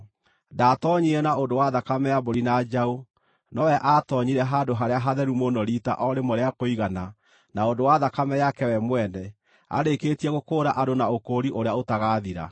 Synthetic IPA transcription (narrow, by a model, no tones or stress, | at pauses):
daːtɔɲiɾɛnaondowaðakamɛjaboɾinad͡ʒao | nɔwɛʔatɔɲiɾɛɦadoɦaɾeaɦaðɛɾumonɔɾita̰ʔɔɾemoɾeakoiɣana | naondowaðakamɛjakɛwɛmwɛnɛ | a̰ɾekeːtiɛɣokoːɾaʔadonaokoɾiʔoɾeaotaɣaːðiɾa̰